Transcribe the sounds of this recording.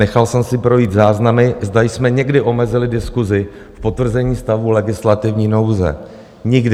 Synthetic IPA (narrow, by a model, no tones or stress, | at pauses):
nɛxalsɛmsɪpɾo̞jiːt̪zaːznamɪzd̪ajsmɛɲɛɡdɪʔo̞mɛzɪlɪdɪskuzɪ | fpo̞t̪vr̩zɛɲiːst̪avulɛɡɪslat̪ɪvɲiːno̞wzɛ̰ | ɲɪɡdɪ